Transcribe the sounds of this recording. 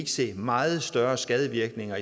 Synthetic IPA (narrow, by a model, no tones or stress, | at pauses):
ɡ̥əse̝̰ːmɑ̈ːð̞̩ˠsd̥ɶɐsɡ̥ɛð̞ˠəʋiɐɡ̥ne̝ŋɐi